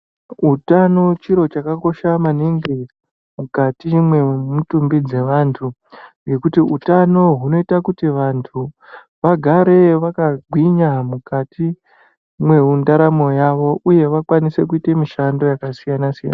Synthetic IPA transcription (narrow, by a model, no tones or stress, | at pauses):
utano̞t͡ʃiɾo̞t͡ʃakako̞ʃamaniŋɡi | mukatimwe̞mutumbid͡ze̞ʋantʰu | je̞kutiutano̞ɦuno̞itakutiʋantʰu | ʋaɡʱaɾe̞ʋakaɡʱwiɲamukati | mwe̞undaɾamo̞jaʋo̞ʔuje̞ʋakwanise̞kuite̞miʃando̞jakasijanasija̰na